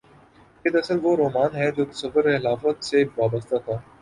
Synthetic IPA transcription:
ɪd̪ɐsəlʋoɾoːmaːnɦɛd͡ʒoːk̪ɪsɐfəɾeɪlaːfət̪seʋaːbəst̪at̪ʰaː

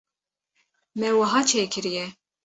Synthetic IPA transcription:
mɛwɑɦɑːt͡ʃʰeːkʰɨɾijɛ

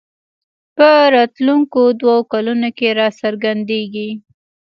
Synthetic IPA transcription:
pəɾɑt̪luŋkod̪waokalunokeɾɑsəɾɡand̪eɡi

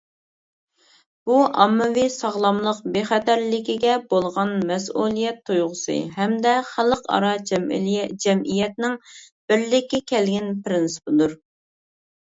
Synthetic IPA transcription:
b̥uʔɑmːɨvisɑʁlˠɑmlˠəqbeχɛt̪æɾlɪkʲiɡʲɛbolˠʁɑnmɛsulˠijɛt̪ʰːujʁʊsɨ̰hɛmd̪ɛχælˠəqɑ̰ɾɑ | d͡ʒɛmʔijɛt̪̚nɪŋ | b̥ɪɾlɪkʲːɛkʲʰɛlɡʲɛnpɪɾɪnsɨ̥pɨd̪uɾ

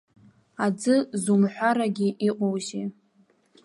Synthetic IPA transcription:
ad͡zɨzumħʷaɾaɡʲiʔiqʼowʒi

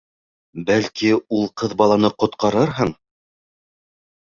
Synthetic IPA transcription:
bælkiulˠqɤðbɑlˠɑnɤqŏt̪qɑɾɤɾɦɤɴ

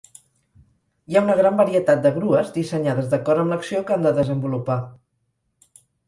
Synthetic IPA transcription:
iaunəɣ̞ɾambəɾiət̪at̪̚d̪əɣɾuəzd̪isəɲaðəzðəkɔɾəmləksiokand̪əðəzəmbulupa

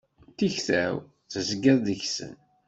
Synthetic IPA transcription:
t̪ːiçθæ̰w | θəzɡæððəçsə̰n

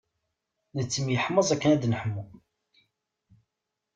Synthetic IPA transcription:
nət͡sːəmjəħməzˤækːənæd̪nəħmːu

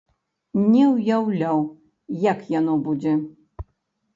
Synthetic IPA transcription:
nʲɛwjawlʲaw | jakjanɔbud͡zʲɛ

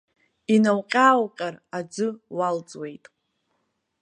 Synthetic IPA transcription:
inawqʲʼaːwqʲʼarad͡zɨwald͡zʼwe̞jtʼ

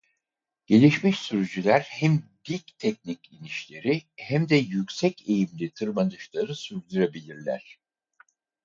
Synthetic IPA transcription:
ɟ̥e̞lʲiʃmiʃsyɾyd͡ʒylʲæɾhæmd̪ilʲct̪ʰɛcniciniʃlʲe̞ɾihæmd̪ɛjycʲsɛcʰe̞jimlʲit̪ʰɯɾmanɯʃlˠaɾɯsuɾd̪uɾabilʲiɾlʲæ̰ɾ̥

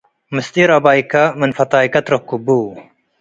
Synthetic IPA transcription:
mɨst̪iɾɐbaːikɐmənfɐt̪aːikɐt̪ɾokːubuː

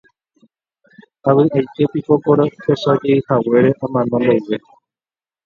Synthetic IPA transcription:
aβɨʔajt̪epipokoɾohesad͡ʒeihawe̞ɾeʔãmãnõnd̪owʋe

